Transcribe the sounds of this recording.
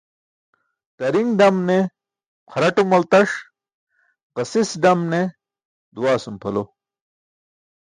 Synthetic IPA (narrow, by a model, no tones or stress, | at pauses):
t̪ɐɾiŋɡɖɐmne | qʰɐɾɐʈumɐlt̪ɐʂ | qɐsisɖɐmne | d̪uwaːsumpʰɐlo